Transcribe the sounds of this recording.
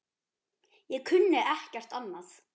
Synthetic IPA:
jɛkʰʏnːɪʔɛhcɛr̥t̪anːaθ

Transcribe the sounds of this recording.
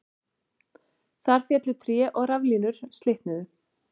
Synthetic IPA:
θaɾ̥θjɛt̪lʏt̪ʰɾjɛʔɔɣɾavliːnʏɾ̥st̪leht̪nʏðʏ

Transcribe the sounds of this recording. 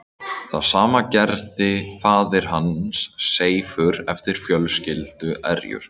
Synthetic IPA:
θaðsaːmacɛɾðɪfaːðɪɾ̥ɦansːeːjfʏɾɛft̪ɪɾ̥fjœlscɪlt̪ʏʔɛ̰ɾjʏ̰ɾ̥

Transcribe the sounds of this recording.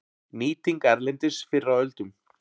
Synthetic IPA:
niːt̪iŋkɛɾlɛnt̪ɪsfɪɾɾawœlt̪ʏm

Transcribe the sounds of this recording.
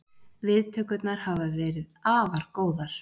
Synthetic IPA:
vɪðt̪ʰœːkʏt̪naɾ̥havavɛːɾɪðaːvaɾkoːwðaɾ̥

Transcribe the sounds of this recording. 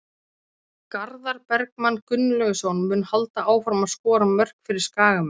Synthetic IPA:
kaɾðaɾpɛɾkmanːkʏnːlœɣʏsɔwnmʏːnhalt̪aʔaːwfɾamaðskɔːɾamœr̥kfɪɾɪɾ̥skaːɣam

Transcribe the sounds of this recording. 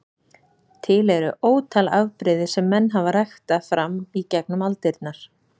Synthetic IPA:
t̪ʰɪlɛɾʏʔoːwt̪ʰalavpɾɪðɪsɛmːɛnːɦavaɾajxt̪afɾamicɛknʏmalt̪ɪɾt̪̚naɾ̥

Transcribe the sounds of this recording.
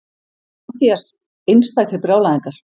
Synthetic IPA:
aθias | ejnst̪aθɪɾpɾjaːwlaðiŋkaɾ̥

